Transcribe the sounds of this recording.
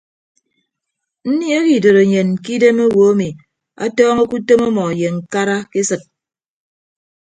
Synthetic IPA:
n̩˦ni˦e˦ki˨do˨ɾo˨ɲe˨n˨ki˦de˦mo˦wo˨a˦mi˨ | a̰˦tɔː˦ŋe˦ku˦to˦mɔ˦mɔ˨je˨ŋ̩˨ka˦ɾa˦ke˦sɨ˨t̚

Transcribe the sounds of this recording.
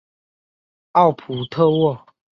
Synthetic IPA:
ɑ˥˨ʊpʰu˨˩t̪ʰɤ˥˧wɔ˥˩˨

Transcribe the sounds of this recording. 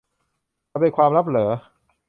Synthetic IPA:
a˧˩pa˧kʰwaː˧mɾa˦˥p̬̚lɤː˩˦

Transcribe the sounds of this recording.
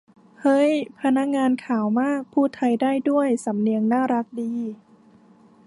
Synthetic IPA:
hɤ˦˥˩jpʰa˧na˦˥k̚ŋaː˧nkʰaː˩˦wmaː˥˩k̚pʰuː˥˩t̪ʰa˧jdaː˥˩jdu˥˩əjsa˩˦mni˧əŋnaː˥˩ɾa˦˥k̚diː˧

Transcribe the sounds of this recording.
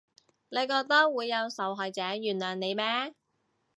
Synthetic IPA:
le˨˧jkɔː˧k̚t̪ɐ˥k̚wuː˨˧jːɐ˨˧wsɐ˨˧wɦɔː˨jt͡sɛː˨˥jyː˨˩nlœː˨˩ŋne˨˧jmɛː˥

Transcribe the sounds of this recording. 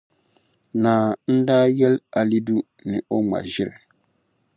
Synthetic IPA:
naː˨n̩˦daː˦jɛ˦la˨li˦du˦nɪ˨ʔʊ˦ŋ͡ma̰˨ʒɪ˦ɾɪ˨

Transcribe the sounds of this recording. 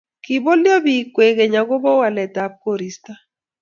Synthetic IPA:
ki˨bo˦ljɔ˦bi˨kwe˨ke˨ɲa˨ɡo˦bɔ˦wa˨lɛ˨ta˨p̚ko˦˨ɾi˨sta˦

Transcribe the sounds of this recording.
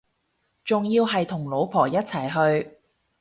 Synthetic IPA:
t͡sʊ˨ŋjiː˧wɦɐ˨jt̪ʰʊ˨˩ŋlo˨˧˥wpʰɔː˨˩jɐ˥t̚t͡sʰɐ˨˩jɦɵ˧ɥ

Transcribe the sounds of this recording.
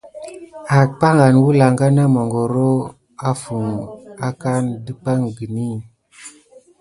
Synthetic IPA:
a˨k̚k͡pa˦ŋa˨nwu˦la˨ŋɡa˦na˦mo˨ŋɡo˨ɾo˦ | a˦fu˨ŋa˦ka˦ndɨ˦pa˦ŋɡi˨ni˦˨

